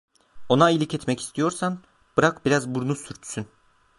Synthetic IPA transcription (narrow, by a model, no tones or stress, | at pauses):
o̞nailʲicɛt̪mɛci̥st̪ʰijo̞ɾsan | b̥ɯɾakbiɾazbuɾnusyɾt̪ʰy̥syn